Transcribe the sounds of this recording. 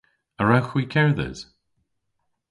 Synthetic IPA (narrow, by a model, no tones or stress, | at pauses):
əɹawxwikʰɛɹðə̰z̥